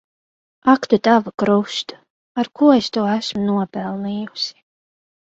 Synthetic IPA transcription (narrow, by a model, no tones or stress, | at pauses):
akt̪ut̪avakɾuʃt̪u | aɾkuɔest̪uːæsmunuɔpɛlˠniːjusi̥